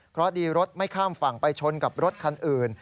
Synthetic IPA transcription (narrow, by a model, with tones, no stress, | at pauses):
pʰɾɔ˦˥diː˧ɾo˦˥t̪̚ma˥˩jkʰaː˥˩mfa˨˩ŋpa˧jt͡ɕʰo˧nka˨˩p̚ɾo˦˥t̪̚kʰa˧nʔɯː˨˩n